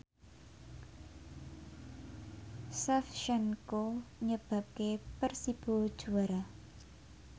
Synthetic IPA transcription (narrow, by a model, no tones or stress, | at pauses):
sɛfʃɛŋkoɲəb̥a̤p̚kepərsib̥o̤d̥ʒ̥ṳaɾa